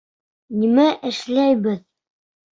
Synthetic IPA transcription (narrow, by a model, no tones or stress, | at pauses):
nimæʔɘ̆ʃlæjβɘð